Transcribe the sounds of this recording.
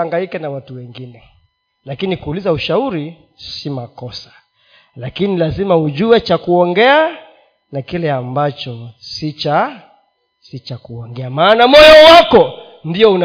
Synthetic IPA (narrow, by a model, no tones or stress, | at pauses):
aŋɡaikanawatuwɛŋɡinɛ | lakinikuːlizauʃauɾi | simakɔsḁ | lakinilazimauʄuwɛt͡ʃakuɔŋɡɛa | nakilɛambat͡ʃɔsit͡ʃa | sit͡ʃakuɔŋɡɛamaːnamɔjɔwakɔ | ndiɔun